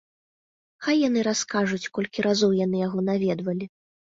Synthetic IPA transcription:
xajːan̪ɨɾaskaʐut͡sʲkɔlʲkʲiɾazɔwjanɨjaɣɔnavʲɛd̪vɐlʲi

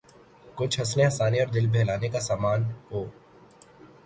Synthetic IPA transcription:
kʊt͡ʃʰɦɐsnẽɐsaːniɔːɾd̪ɪlbʱɛːlaːnekasaːmaːnɦoː

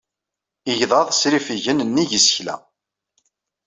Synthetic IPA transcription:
iʝðˤɑðˤsɾifiʝənnːiʝəsçlæ̰

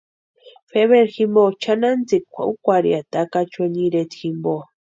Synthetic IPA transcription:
feβeɾximbot͡ʃanand͡zikʷa̰ʔukʷaɾḭat̪akat͡ʃeɲiɾet̪ximbo

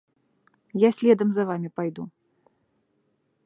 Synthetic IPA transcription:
jasʲlʲɛd̪ɐmzɐvamʲipajd̪u

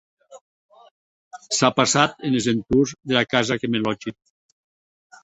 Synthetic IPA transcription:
sapasat̪enezent̪uzðelakazakemelɔd͡ʒi

